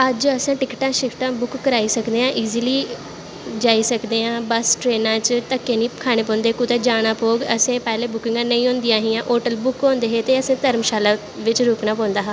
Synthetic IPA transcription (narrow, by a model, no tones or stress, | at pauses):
əd͡ʒəsãːʈɪkʈãːʃɪkʈãːbʊkːəɾaːiːsəkd̪eːɦãːʔiːziːliː | d͡ʒaːiːsəkd̪eːɦãːbəsʈɾeːnãːt͡ʃt̪əkːeːnĩːkʰaːɽ̃eːp̬ɔ̃ːnd̪eːkũːt̪aːd͡ʒaːɽ̃aːpoːɡəsẽːpɛːleːbʊkɪ̃ŋɡãːnəĩːɦõːnd̪ɪjãːɦĩːãːʔoːʈəlbʊkɦõːnd̪eːɦeːt̪eːəsẽːt̪əɾmʃaːlaː | ʋɪt͡ʃɾoːknaːp̬ɔ̃ːnd̪aːɦãː